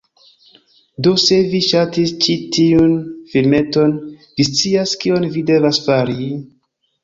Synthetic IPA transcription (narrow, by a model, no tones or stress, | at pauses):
do̞se̞viʃatist͡ʃitiunfilme̞to̞nvist͡siaskio̞nvide̞vasfaɾi